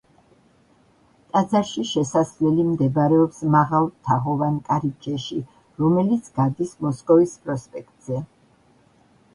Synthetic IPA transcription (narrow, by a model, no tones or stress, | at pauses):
t̪ʼad̪zaɾʃiʃɛsasvlɛlimd̪ɛbaɾɛɔpsmaʁalˠt̪ʰaʁɔvankʼaɾit͡ʃʰʼɛʃi | ɾɔmɛlit̪sʰɡad̪ismɔskʼɔvispʼɾɔspʼɛkʰt̪ʼz̥ɛ